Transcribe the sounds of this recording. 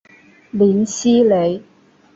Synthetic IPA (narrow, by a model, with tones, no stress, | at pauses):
liː˨˥nsiː˥le˨˧j